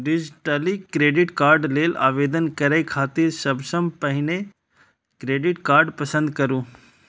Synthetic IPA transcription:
ɖɪd͡ʒʈəlikɾeːɖɪʈkaːɾɖleːla̰ːʋeːd̪ənkɐɾakʰaːt̪iɾsɐbsəmpɐɦɪne | kɾeːɖɪʈkaːɾɖpɐsə̃nd̪kɐɾũː

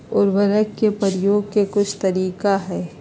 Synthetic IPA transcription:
ʊːɾʋɐɾəkkepəɾjoːɡ̚kekʊt͡ʃʰt̪ɐɾiːkaɦɛː

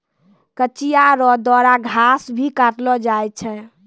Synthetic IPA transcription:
kət͡ʃijaɾɔd̪wɔɾaɡʱasbʱikaʈlɔd͡ʒajt͡ʃʰɛ

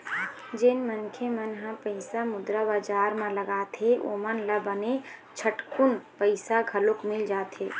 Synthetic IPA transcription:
d͡ʒenmənkʰemənɦãpəɪsamʊd̪ɾabaːd͡ʒaːɾmãləɡaːt̪ʰeʔo̰mənləbənet͡ʃʰəʈkʊnpəɪsaɡʱɐlʊkmɪld͡ʒaːt̪ʰeː

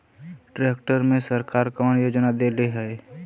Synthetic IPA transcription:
ʈɾeːkʈəɾmẽsəɾkaːɾkɔːnjoːd͡ʒnad̪eleɦɛː

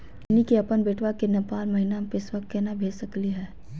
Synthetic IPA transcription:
ɪnikiɐpənbeːʈʰʋakenɐpaːɾmɐɦinampɪsʋɐk̚t̪kenabʱeːd͡ʒsɐkliɦɛː

